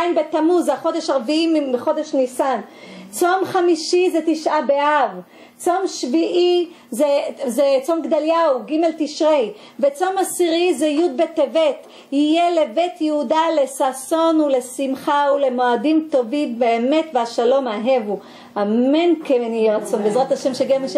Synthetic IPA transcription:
ajnbet̪amuzaχo̞d̪eʃaʁviimiχo̞d̪eʃnisant͡somχamiʃizet̪iʃʔabeʔav | t͡so̞mʃviʔi | zezet͡so̞mɡd̪aljawɡime̞lt̪iʃʁej | vet͡so̞masiʁizejud̪̚bet̪evet | ijele̞bet̪jeudale̞saso̞nule̞simχaule̞moadimt̪o̞vimbeːme̞t̪veaʃalo̞maɦevu | hamenkeenijeʁat͡so̞nbezʁat̪haʃemʃeɡemeʃ

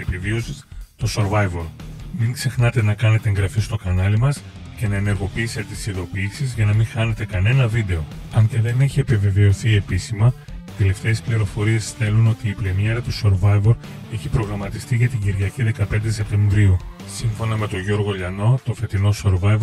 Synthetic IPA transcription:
epivio̞sist̪o̞so̞ɾvɐjvo̞ɾmiŋɡze̞xnɐt̪e̞nɐkɐne̞t̪eŋɡɾɐfist̪o̞kɐnɐlimɐs | ce̞nɐene̞ɾɣo̞piːse̞t̪et̪isiðo̞piːsizʝɐnɐmiŋxɐne̞t̪e̞kɐne̞nɐvid̪e̞o̞ɐɲceðe̞neçie̞pive̞veo̞θie̞pisimɐ | t̪e̞le̞ft̪e̞ːspliɾo̞fo̞ɾie̞sθe̞luno̞t̪iːplenieɾɐt̪uso̞ɾvɐjvo̞ɾ | e̞çipɾo̞ɣɾɐmɐt̪ist̪iʝɐt̪iɟiɾʝɐciðe̞kɐpe̞nd̪e̞s̬e̞p̚t̪ẽ̞ɱvɾiu | siɱfo̞nɐme̞t̪o̞ʝo̞ɾɣo̞ʎɐno̞t̪o̞fe̞t̪ino̞soɾvɐiv

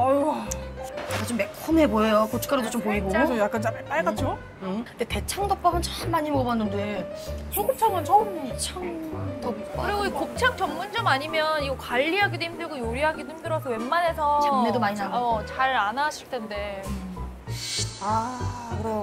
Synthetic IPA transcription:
ʌ | jak͈ant͡ɕ͈omːe̞k̚kʰumeboejokot͡ɕʰɯ̥k͈ʰaɾodot͡ɕompoiɡosʰʌjak͈ant͡ɕamɯɭp͈aɭɡat͡ɕ͈o | ɯndete̞t͡ɕʰaŋdʌk̚p͈aɡɯnt͡ɕamːaɲimobanːɯnde̞heɡop̚t͡ɕ͈ʰaɡɯnt͡ɕʰʌmt͡ɕʰaŋdʌbkɯɾeoikok̚t͡ɕʰak̚t͡ɕʌmːund͡ʑʌmaɲimjʌniɡʌkwaʎːiɦaɡidwe̞ɦimdɯɭɡojoɾiɦaɡidweɦimdɯɾʌs̬ʰʌwe̞nːane̞sʰʌanedomaɲinaʌt͡ɕaɾanaɕʰiɭtʰe̞nde̞ | akɯɾʌ

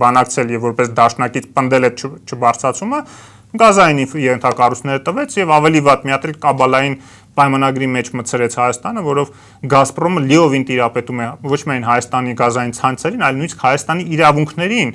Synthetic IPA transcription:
bɑnɑkt͡sʰɛljɛvːɔɾpɛsd̪ɑʃnɑkit͡sʰpənd̪ɛlɛt͡ʃʰt͡ʃʰəbɑɾt͡sʰɑt͡sʰumə | ɡɑzɑjinifjɛɛnt̪ʰɑkɑrut͡sʰnɛɾət̪əvɛt͡sʰjɛvɑvɛlivɑt̪mijɑt̪ʰɛlkɑbɑlɑjin | pɑjmɑnɑɡɾimɛt͡ʃʰmət͡sʰəɾɛt͡sʰhɑjɑst̪ɑnəvɔɾɔv | ɡɑsprɔməliɔvint̪iɾɑpɛt̪umɛvɔt͡ʃʰmiɑjnɦɑjɑst̪ɑniɡɑzɑjint͡sʰɑnt͡sʰɛɾinɑjlnujniskʰhɑjɑst̪ɑniːɾɑvuŋkʰnɛɾin

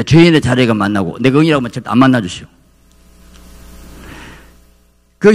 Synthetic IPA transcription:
t͡ɕweinet͡ɕaɾeɡamanːaɡo̰ndeɡɯŋiɾaɡomant͡ɕʰat̪ʰa̰nmanːad͡ʑuɕʰio | kɯ

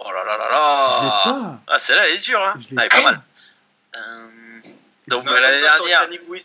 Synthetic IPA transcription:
o̰la̰lala̰la | a̰sɛlaled̪yʁãaɛpamal | ə | d̪ɔ̃kɛlanedd̪ɛʁnjɛʁ

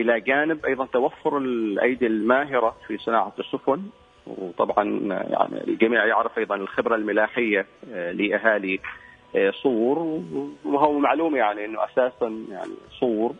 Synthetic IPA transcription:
ʔɪlaɡaːnɪbʔɑjðˤɑnt̪awafːʊɾɪlʔa̰jd̪almaːɦɪɾafisˤɨnaːʕasːʊfʊn | wt̪ˤɑbʕɑ̰nja̰ʕnḭlɡamiːʕjɪʕɾɪfʔɑjðˤɑnɪlxɪbɾalmɪlaːħɪjːalɪʔaɦaːli | sˤuːɾwɦʊwmaʕluːmajaʕniʔɪnːʊʔasaːsanja̰ʕnḭsˤuːɾ

